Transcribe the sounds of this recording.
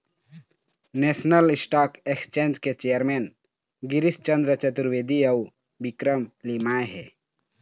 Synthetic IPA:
nesnəlsʈakekst͡ʃend͡ʒket͡ʃejəɾmen | ɡiɾist͡ʃənd̪ɾət͡ʃət̪uɾʋed̪iəu | bikɾəmlimajɦɛ

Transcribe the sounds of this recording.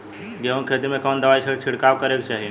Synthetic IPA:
ɡeunkʰet̪imẽkənd̪əʋaːit͡ʃʰət͡ʃʰɪɽkaʋkəɾekt͡ʃaːɦi

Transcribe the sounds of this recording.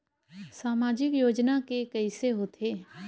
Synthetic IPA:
saːmaːd͡ʒɪkjoːd͡ʒnakekɛɪseɦoːt̪ʰeː

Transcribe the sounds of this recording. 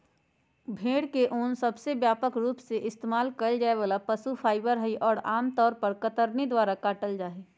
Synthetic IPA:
bʱeːɽkeʔoːnsɐbsebjaːpəkɾuːpseʔɪst̪eːmaːlkəd͡ʒaːebəːlapəsupʰaːɪbəɾɦəiʔɔːɾaːmt̪ɔːɾpəɾkət̪əɾned̪waːɾakaːʈəld͡ʒaːe

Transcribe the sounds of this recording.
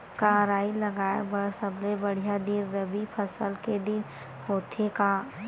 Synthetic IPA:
kaːɾaːilɐɡaːebɐɽsəblebəɽ̤ijad̪iɾːɐbipʰəsəlked̪ɪn | hoːt̪ʰekaː

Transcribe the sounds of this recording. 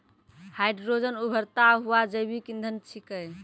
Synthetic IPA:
hajɖɾod͡ʒənubʱəɾt̪aɦuad͡ʒəjbʱikĩnd̪ʱənt͡ʃʰikəj

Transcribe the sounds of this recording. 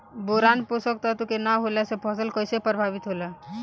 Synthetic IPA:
boɾanposəkt̪at̪ukenaɦolasepʰɔsəlkəjsepəɾbʱabit̪ɦola

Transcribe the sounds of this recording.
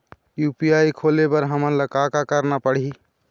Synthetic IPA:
jupiajkʰolebəɾɦəməɾləkakakəɾnapəɽ̤i

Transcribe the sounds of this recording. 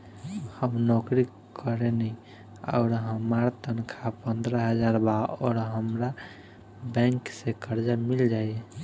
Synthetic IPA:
həmnɔkɾi | kəɾeni | ɔ̰ːɾɦəmaɾt̪ənkʰapənd̪ɾəɦəd͡ʒaɾbaɔ̰ːɾɦəmɾa | bɛ̃ŋksekəɾd͡ʒamild͡ʒaːjɛ

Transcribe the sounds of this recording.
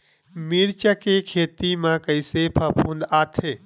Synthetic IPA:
miːɾt͡ʃəkekʰeːt̪imãkəɪsepʰɐpʰũnd̪aːt̪ʰeː

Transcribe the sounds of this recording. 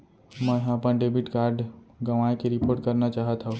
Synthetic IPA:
mə̃ɦəpənɖebiʈkaːɾɖ | ɡɐʋaːekeɾɪpoːɾʈ̚kəɾnat͡ʃaːɦət̪ɦao

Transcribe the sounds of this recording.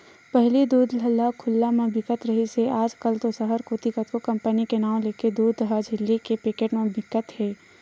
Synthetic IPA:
pɛɦlid̪uːd̪lɐlakʰʊlːamẽbɪkət̪ɾɐɦiseaːd͡ʒkəlt̪osəɦəɾkoːt̪ikət̪kokɐ̃mpənikenaːw̃leːked̪uːd̪lɦad͡ʒʱɪlːikepɪkeʈmẽbɪkːət̪hɛː

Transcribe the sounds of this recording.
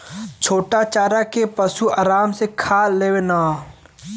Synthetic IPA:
t͡ʃʰoːʈat͡ʃaːɾakepɐʃuaːɾaːmsekʰaːleːwenaː

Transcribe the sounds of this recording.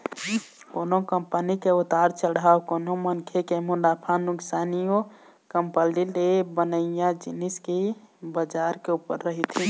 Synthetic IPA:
konokəmpənikeut̪aɾt͡ʃəɽawkonomənkʰekemunapʰanuksanijo | kəmpəlilebənəjãd͡ʒiniskebəd͡ʒaɾkeupːə̰ɾːəɦit̪ʰi

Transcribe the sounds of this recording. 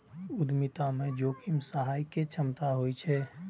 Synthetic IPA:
ʊd̪mit̪amed͡ʒoːkʰimsəɦaːjket͡ʃʰəmt̪aɦojt͡ʃʰɛ

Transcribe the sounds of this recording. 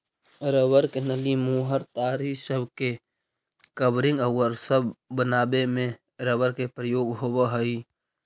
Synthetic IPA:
ɾəwəɾkenəlimuːɦəɾt̪aːɾisəbʱke | kəbɾɪ̃ŋɡəwəɾsəbːənaːbemẽ | ɾəwəɾkepɾəjoːɡɦowəɦəi

